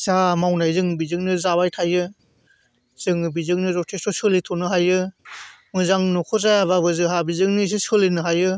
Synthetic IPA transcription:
samawnajzɯŋbizɯŋ̚nɯzabajtʰajɯ | z̥ɯŋɯbizɯk̚nɯzɔtʰesɔsɯlitʰɔnɯɦajɯ | mɯzaŋnɔkʰɔzajaβabɯzɯɦabizɯŋnɯs̬isɯlinɯɦajɯ

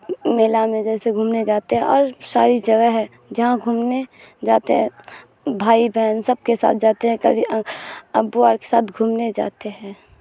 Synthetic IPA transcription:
meːlamẽd͡ʒɛːseɡʱuːmned͡ʒaːt̪eɦɛ̃ɔːɾsaːɾid͡ʒɐɡəɦɦɛ̃ | d͡ʒɐɦãɡʱuːmne | d͡ʒaːt̪eɦɛ̃ | bʱaːibʱɛːnsəb̚kesa̰ːt̪ʰd͡ʒaːt̪eɦɛ̃kəbʱiəbuaːɾke̥saːt̪ʰɡʱuːmned͡ʒa̰ːt̪eɦɛ̃ː

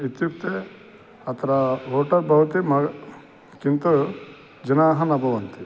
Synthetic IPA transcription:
et̪jupt̪e | ɐt̪ʰɐɾɐoːʈɐɾbʱɐʋɐt̪imɐɡ | kint̪u | d͡ʒɐnaːɦɐnɐbʱɐʋɐnt̪i

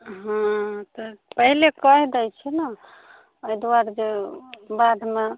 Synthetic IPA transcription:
ɦãt̪ɔpəɦilekəɦd̪ɛjt͡ʃʰinə | əjd̪waɾd͡ʒebad̪ʱme

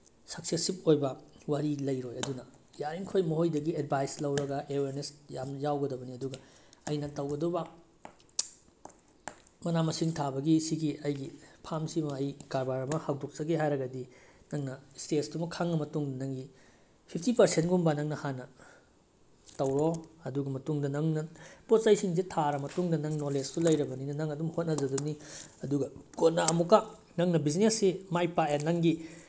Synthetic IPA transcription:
sɐk̚sesip̚ojbɐwɐɾilɐjɾojɐdunɐjaɾiŋkʰojmɐɦojdɐɡied̚bʱajslɐwɾɐɡɐʔeweɾnesjamjawɡɐdɐbɐniɐduɡɐɐjnɐtɐwɡɐdubɐ | mɐnamɐsiŋtʰabɐɡisiɡiɐjɡipʰamsimɐɐjkaɾbaɾɐmɐhaw̚dok̚t͡ʃɐɡeɦajɾɐɡɐdinɐŋnɐstetsdumɐkʰaŋnɐmɐtuŋdɐnɐŋɡi | pʰipʰtipɐɾsentɡumbanɐŋnɐhanːɐ | tɐwɾoɐduɡɐmɐtuŋdɐnɐŋnɐpot̚sɐjsiŋs̬itʰaɾɐmɐtuŋdɐnɐŋnolestulɐjɾɐbɐninɐnɐŋɐdumhot̚nɐd͡ʒɐduniɐduɡɐkot̚naɐmuka | nɐŋnɐbiznesːimajpaenɐŋɡi

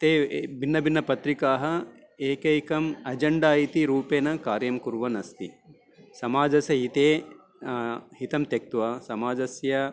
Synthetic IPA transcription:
t̪eːbinːɐbʱinːɐpɐt̪ɾikaːɦɐ̆ | eːkɐjkɐmɐd͡ʒɐɳɖaːjit̪iɾuːpeːnɐkaːɾjɐmkuɾʋɐnɐst̪i | sɐmaːd͡ʒɐsɐɦit̪eː | ɦit̪ɐmt̪jɐk̚t̪ʋɐsɐmaːd͡ʒɐsjɐ

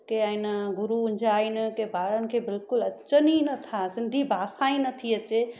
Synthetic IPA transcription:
keainɡʊɾuʊ̃ɲd͡ʒʱainkebaːɾənkʰebɪlkʊlɐtːʃəninət̪ʰasɪ̃nd̪ʱibʱasaĩnət̪ʰiət͡ʃe

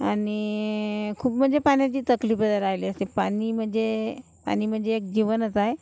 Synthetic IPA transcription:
ani | kʰuːpm̤əɳd͡zepaɳ̃jat͡ɕiːt̪əkliːfbəd̪ʱaɾajliəsepaɽ̃iːm̤əɳd͡ze | pa̰ɽ̃iːm̤əɳd͡zeːk̚d͡ʑiʋənət͡saje

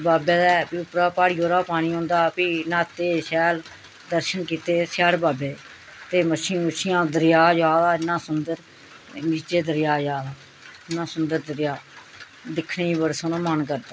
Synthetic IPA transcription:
baːbɛːd̪ɛːpiːʊpɾaːpaːɽiːoːɾaːpaːñiːɦõːnd̪aːpiːnãːt̪eːʃɛːl | d̪əɾʃənkiːt̪eːsɛːɽbaːbeː | t̪eːməʃiːʊʃijãːd̪əɾɪjaːd͡ʒaːd̪aːɪnːãːsʊnd̪əɾ | niːt͡ʃeːd̪əɾɪjaːd͡ʒaːd̪aː | nːãːsʊnd̪əɾd̪əɾjaː | d̪ɪkʰneːiːbəɾsoːnõmənkəɾd̪aː

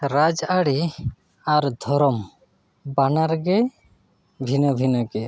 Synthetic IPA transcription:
ɾad͡ʒaɽi | aɾd̪ʱɔɾɔm | banaɾɡɛ | bʱinɔbʱinɔɡɛ

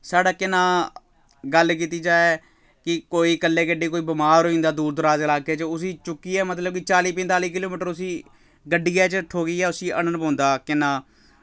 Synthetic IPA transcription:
saːɖaːkɪnãː | ɡəlk̬iːt̪iːd͡ʒaːɛ | kɪkoːiːkəlːeːɡəɖiːkoːiːbɪmaːɾɦoːĩːnd̪aːd̪uːɾd̪əɾaːzɪlaːkeːt͡ʃəʊsiːt͡ʃʊkːiːɛːmət̪ləb̚kɪt͡ʃaːliːpɛ̃nt̪aːliːkɪloːmiːʈəɾʊsiː | ɡəɖijaːt͡ʃəʈʰoːɡiːɛːʊsiːʔənənpãːnd̪aːkɪnːãː

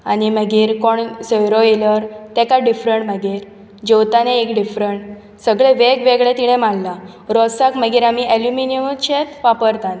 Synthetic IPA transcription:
animəɡiːɾkɔɳsəjɾoeləɾt̪ɛkaɖifɾəɳʈməɡiːɾ | d͡ʑewt̪aneekɖifɾəɳʈ | səɡɭeʋeɡʋeɡɭɛt̪iɽ̃ɛ̃malla | ɾɔsakməɡiːɾamiʔeljuminiəmt͡ɕet̪ʋapəɾt̪an

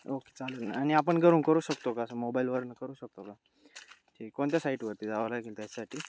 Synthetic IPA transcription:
oke̥t͡salət̪na̰añiapəɳɡʱəɾuːnkəɾuːɕəkt̪okaəsəmobailʋəɾnəkəɾuːɕək̚t̪oka | d͡ʑikoɳt̪jasaiʈʋəɾt̪iːd͡zaʋalaɡelt̪jat͡ɕasaʈʰiː

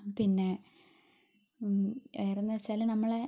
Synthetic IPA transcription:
pinːe̞ | eːrenːɐʋɐt͡ɕːaːlnɐmːɐɭe

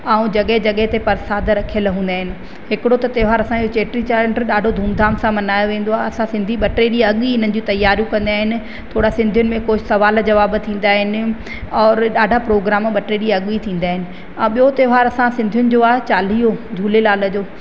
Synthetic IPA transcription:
aːũd͡ʑɐɠəɦed͡ʑɐɠɦɪt̪epɐɾsaːd̪ʱɾɐkʰijəlɦũːn̆d̪aːɦɪnɪ̆ | ɦɪkɪɽot̪ɐt̪eːɦaːɾɐsãd͡ʑot͡ɕeːʈɾit͡ɕaːɾeɳʈɗaːɖʱod̪ʱuːmd̪ʱaːmsãmɐnaːjoʋẽːn̆d̪oaːɦeɐsãsɪ̃nd̪ʱiɓɐʈeːɾiɐɠiɪn̤ənɪ̆d͡ʑĩt̪ɐjːaːɾjũkɐ̃nd̪iaːɦɪnɪ̆ | t̪ʰoːɽasɪ̃nd̪ʱijʊnɪ̆mẽkoːsɐʋaːld͡ʑɐʋaːbt̪ʰĩːn̆d̪aːɦɪnɪ̆ | ɔːɾɗaːɖʱapɾoːɡɾaːmɓɐʈeːɾiɐɠit̪ʰĩːn̆d̪aːɦɪnɪ̆ | ãːɓijot̪eːʋɦaːɾɐsãsɪ̃nd̪ʱjʊnɪ̆d͡ʑoːaːɦt͡ɕaːl̤iːod͡ʑʱuːlelaːlə̆d͡ʑoː

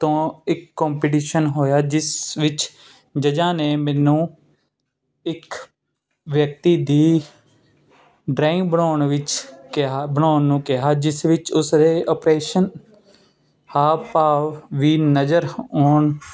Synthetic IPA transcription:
t̪õːɪkːõːmpeʈ̬iːʃənɦoːjaːd͡ʒɪsʋɪt͡ʃ | d͡ʒəd͡ʒãːneːmɛːnũː | ɪk | ʋjək̚t̪iːd̪iː | ɖɾaːɪ̃ŋɡbəɳoːɳʋɪt͡ʃkabəɳoːnːũːkɪɦaːd͡ʒɪsʋɪt͡ʃʊsɾeːʔəːpɾeːʃən | haːpaːʋʋiːnəd͡ʒəɾoːɳ

